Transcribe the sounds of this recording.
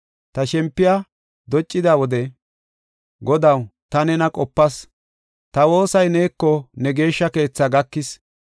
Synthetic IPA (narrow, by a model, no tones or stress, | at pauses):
t̪ɐʃɛmpːɪja | d̪ɔt͡ʃʼːɪd̪awɔd̪ɛ | ɡɔd̪ɐwt̪ɐnɛnɐkʼɔpːɐs | t̪ɐwo̞ːsɐjne̞ːkːɔnɛɡe̞ːʃːɐke̞ːt͡sːaɡɐkːɪs